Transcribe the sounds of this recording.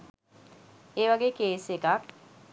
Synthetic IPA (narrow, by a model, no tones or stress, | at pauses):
eːʋaɡeːkeːsekak̚